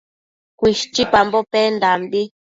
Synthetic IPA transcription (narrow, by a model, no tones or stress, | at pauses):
kʷiʃt͡ʃipambopend̪ambi